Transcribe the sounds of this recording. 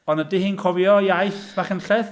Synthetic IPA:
ɔnədɪhinkʰɔvjɔjajθvaχənɬɛθ

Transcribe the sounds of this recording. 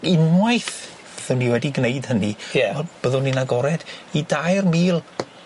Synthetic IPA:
ɪnwajθ | əðʊwnːiwɛdiɡnejd̥hənijɛɔb̥əðʊninaɡɔɾɛd̥idajrmiːlˠ

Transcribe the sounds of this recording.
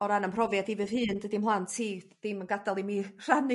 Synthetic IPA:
ɔɾanəmpʰrɔvjadivɨr̥hɨːndədɪmhlˠantʰiːd̥ɪmənɡadalˠimir̥anɨ

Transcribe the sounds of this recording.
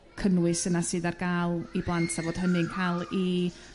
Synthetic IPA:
kʰənwɨsənasɨːdarɡaːlˠiblˠantʰavoːd̥ɦənɨŋkʰalˠi

